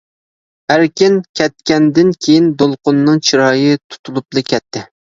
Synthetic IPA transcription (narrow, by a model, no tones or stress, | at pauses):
æɾkʲɪnkʲʰɛt̪̚kʲɛnd̪ɪnkʲʰejind̪olˠqʊnːɨŋt͡ʃʰiɾɑːjɨt̪ʰu̥t̪ʰulˠuplˠɨkʲʰɛt̪ʰːɪ